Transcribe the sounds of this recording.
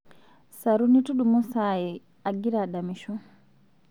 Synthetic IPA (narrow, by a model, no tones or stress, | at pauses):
saɾunituɗumusajɛ | aɡiɾaɗamiʃɔ